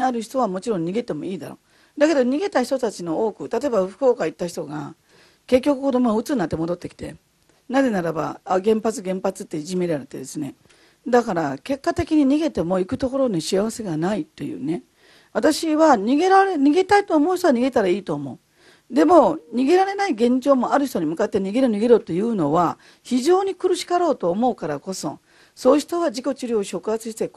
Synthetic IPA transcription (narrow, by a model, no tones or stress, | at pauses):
aɾɯ̟çi̥t̪o̞β̞amo̞t͡ɕiɾõɲ̟ɲʲːiɡe̞t̪e̞mo̞iːd̪a̰ɾo̞ː | d̪ake̞d̪o̞ɲ̟iɡe̞t̪açi̥t̪o̞t̪at͡ɕino̞oːkɯ̟t̪at̪o̞ebaɸɯ̟̥ko̞ːkait̪ːaçi̥t̪o̞ɡa | ke̞k̬ʲːo̞kɯ̟kod̪o̞moaɯ̟t͡sɨnːat̪ːe̞mo̞d̪o̞t̪ːe̞kʲi̥t̪e̞̰ | naze̞naɾaba̰aɡẽ̞mpat͡sɨɡẽ̞mpat͡sɨt̪ːe̞ʑime̞ɾaɾet̪ːe̞̰d̪e̞sɨne̞ | d̪akaɾake̞kːat̪e̞kʲiɲ̟iɲ̟iɡe̞t̪e̞mo̞ikɯ̟t̪o̞ko̞ɾo̞niɕiaβase̞ɡanait̪ːo̞jɯ̰ːne̞ | βat̪aɕiβaɲ̟iɡe̞ɾaɾeɲʲiɡet̪ait̪o̞ːmo̞̟ːç̬̥ʲt̪o̞aɲ̟iɡe̞t̪aɾaiːt̪o̞ːmo̞ɯ | d̪e̞mo̞ɲ̟iɡe̞ɾaɾe̞naiɡẽ̞ɲ̟d͡ʑo̞ːmo̞aɾɯ̟çi̥t̪o̞ɲ̟imɯ̟kat̪ːe̞ɲ̟iɡe̞ɾɯɲ̟iɡeɾot̪ːo̞jɯ̟ːno̞βa | çiʑo̞ːɲ̟ikɯ̟ɾɯ̟ɕi̥kaɾo̞ːt̪o̞ːmo̞ɯkaɾako̞so̞̰ | so̞ːçi̥t̪o̞βad͡ʑiko̞t͡ɕiɾʲoːɕo̞kɯ̟ɦat͡sɨɕi̥t̪e̞